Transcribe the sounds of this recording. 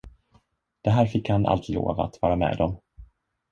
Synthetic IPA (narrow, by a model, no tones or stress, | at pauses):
d̪̥ɛɦæːɾfɪkːhanʔa̰lt̪lo̰ːvaat̪vɑːɾamɛ̰ːd̪ɔm